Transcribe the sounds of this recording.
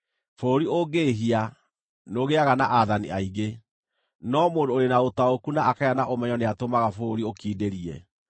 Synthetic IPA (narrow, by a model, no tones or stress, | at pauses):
foɾioɡeɦia | noɣeaɣanaʔaðanḭaiɣe | nɔmoːndoːɾenaotaokunaːkajanaʔomɛɲɔneatomaɣafoɾiokiːdeɾiɛ̰